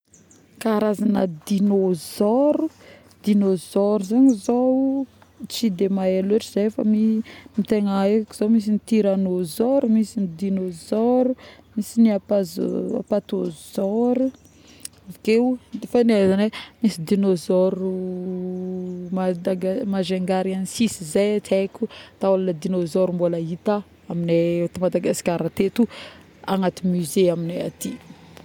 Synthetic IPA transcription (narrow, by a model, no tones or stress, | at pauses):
kaːɾazanəd̪inozɔɾu | d̪inozɔɾuzaɲizo | t͡sid̪emaeleʈ͡ʂiz̥ejfa̰mimit̪eŋaekakiz̥omis̬init̪iɾanozɔɾumisinid̪inozɔɾumisiniapaza̰pat̪ozɔɾu | avkeufanezanemisid̪inozɔɾu | mad̪aɡamaʒeŋɡaɾianisisizajat̪akʲut̪aolanad̪inozɔɾumbolait̪a | aminet̪imad̪aɡasi̥kʲaɾat̪et̪u | aŋat̪imyzeamineat̪i